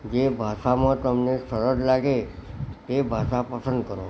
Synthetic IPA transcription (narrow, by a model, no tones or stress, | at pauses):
d͡ʑebʱaʂamə̃t̪əmnesəɾəd͡zlaɡet̪ebʱasapəsənd̪kəɾo